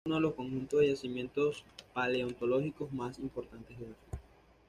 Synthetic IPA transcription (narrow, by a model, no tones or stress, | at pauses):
unoðelo̞sko̞ŋxunt̪ozðeʝasimje̞nt̪o̞spaleont̪oloxikozmasimpoɾt̪ant̪e̞zðelasu